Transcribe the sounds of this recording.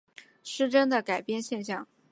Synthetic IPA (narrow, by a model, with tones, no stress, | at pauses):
ʂɻ̩˥ʈ͡ʂə˥nd̪ə˨ka˨˩ɪpjɛ˥˧nɕjɛ˥˧nɕjɑ˥˩ŋ